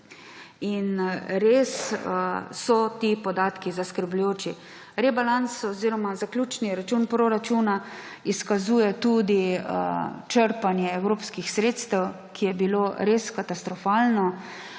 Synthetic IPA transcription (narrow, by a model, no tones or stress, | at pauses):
inɾeːsəːɔt̪ipɔd̪aːt̪kizaskəɾblujoːt͡ʃi | ɾɛbalansɔziɾɔmazaklʲuːt͡ʃniɾat͡ʃuːnpɾoɾat͡ʃuːna | iskazuːjɛt̪uːd̪i | t͡ʃəɾpanjɛɛwɾoːpskixsɾeːt̪st̪ɛw | kʰijɛbiloɾeskat̪ast̪ɾɔfaːlnɔ